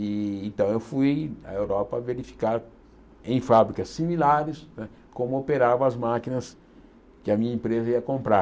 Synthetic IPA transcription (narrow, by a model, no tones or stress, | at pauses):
ɪẽnt̪ɐ̃w̃ewfuja̰ewɾɔpɐveɾifi̥kaɾ | ẽj̃fabɾikɐsimilaɾɪsnɛ | kõmʊopeɾavɐɐzmakinɐs | kɪɐmĩɲɐẽmpɾezɐiɐkõmpɾa